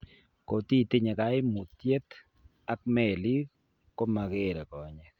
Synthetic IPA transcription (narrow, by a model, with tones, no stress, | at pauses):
ko˨t̪i˦t̪ɪ˦ɲɛ˨ka˨˦ɪ˦mu˨t̪je˦t̪ | a˦k̚mɛ˨li˦ | ko˦ma˨ɡe˦ɾɛ˨kɔ˨ɲɛ˨